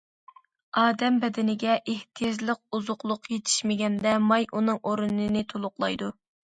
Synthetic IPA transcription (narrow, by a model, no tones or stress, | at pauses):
ɑːd̪ɛmbɛd̪ɪnɪɡʲɛʔeht̪ʰijɑd͡ʒlˠəq̚uzʊqlˠʊqjet̪ʰi̥ʃmɪɡʲɛnd̪ɛmɑjʔunɨŋʔoɾunɨnɪt̪ʰolˠʊqlˠɑjd̪u